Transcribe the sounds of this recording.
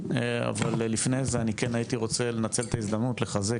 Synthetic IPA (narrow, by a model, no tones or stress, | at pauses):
a̰valːifnejzeanikenajit̪iʁo̞t͡sele̞nat͡selt̪aizd̪amnutle̞χaze